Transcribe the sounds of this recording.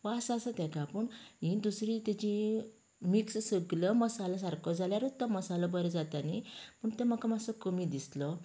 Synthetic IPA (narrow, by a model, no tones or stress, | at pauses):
ʋasasət̪ɛ̃kapəɳɦĩd̪usɾit̪at͡ɕĩ | mikssəɡləməsalas̬aɾkɔd͡zaljaɾut̪ːaməsalɔbəɾed͡zat̪anipəɳt̪ɛməkamasəkəmid̪islɔ